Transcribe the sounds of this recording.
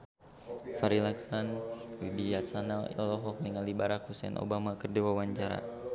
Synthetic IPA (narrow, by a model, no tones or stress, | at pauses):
faɾilaksanwibijasanaɛ̰lɔɦɔk̚niŋalibaɾakusɛ̰nʔo̰bamakərdɛwawaɲt͡ʃaɾa̰